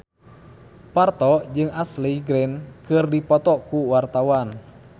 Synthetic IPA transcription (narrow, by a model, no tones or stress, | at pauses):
part̪ɔd͡ʒɨŋasliɡɾɛnkɨrdipɔt̪ɔkuwart̪awan